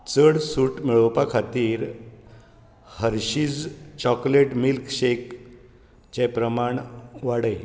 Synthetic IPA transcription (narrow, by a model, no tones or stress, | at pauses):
t͡səɽsuːʈmiɭəwpakʰat̪iːɾ | həɾɕiːd͡zt͡ɕɔkleʈmilkɕek | d͡ʑɛpɾəmaɳʋaɽəj